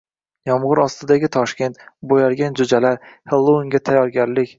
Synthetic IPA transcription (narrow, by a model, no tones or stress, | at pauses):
jɒmʁʊɾɒst̪ʰɪd̪aɡʲɪt̪ʰɒʃkʲe̞nt̪bojaɾɡʲand͡ʒʊd͡ʒalaɾhɪlˠːoŋɡʲat̪ʰajɒɾɡʲaɾlɪkʲ